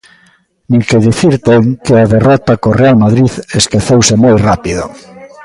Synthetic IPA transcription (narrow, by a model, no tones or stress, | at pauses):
nĩŋkeðiθiɾt̪eŋkeaðerɔt̪akorealmaðɾiðeskeθewsemojrapiðo̰